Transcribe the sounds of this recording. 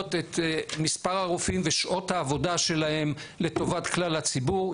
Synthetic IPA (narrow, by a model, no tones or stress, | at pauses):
t̪et̪mispaʁaʁufimveʃʔo̞thaːvo̞daʃe̞lahe̞mle̞to̞vat̪klalhat͡sibuʁ